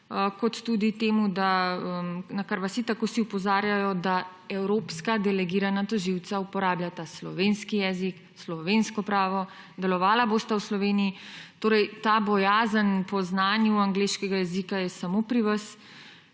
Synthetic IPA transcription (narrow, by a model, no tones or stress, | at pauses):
kɔt̪ːud̪it̪eːmud̪aəmnakaɾʋasit̪akosiupɔzaːɾjajɔd̪a | ɛwɾoːpskad̪ɛlɛɡiːɾanat̪ɔʒiw̪t͡s̪saupɔɾaːbjʲat̪aslɔ̰ʋenskijɛːzik | slɔʋenskɔpɾaːʋɔ | d̪ɛlɔʋaːlaboːst̪awslɔʋeːniit̪oːɾɛjt̪aːbɔjaːzənpɔznaːnjuaŋɡleːʃkɛɡajɛzikajɛsamoːpɾiʋas